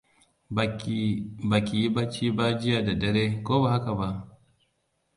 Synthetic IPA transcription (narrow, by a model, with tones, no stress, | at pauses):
ba˨kʲi˨ji˦ba˦t͡ʃiː˦ba˦d͡ʒɪ˦jaː˨da˨dɐ˨ɾeː˦koː˦ba˨ha˦ka˨ba˦ʔ